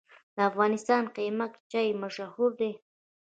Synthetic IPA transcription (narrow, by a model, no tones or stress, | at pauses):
d̪̥əafɣɑnɪst̪ɑnqimakt͡ʃɑjmaʃahuɾd̪e